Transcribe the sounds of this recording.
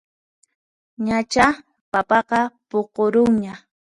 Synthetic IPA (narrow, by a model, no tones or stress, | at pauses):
ɲat͡ʃa | papɑqɑpoqoɾʊŋɲa